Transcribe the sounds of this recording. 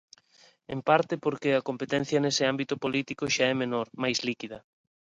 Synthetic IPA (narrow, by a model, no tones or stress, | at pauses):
empaɾt̪ɪpoɾkeɐkompet̪ɛn̟θjɐnesɪambit̪ʊpolit̪ikʊʃaɛmenoɾmajslikiðɐ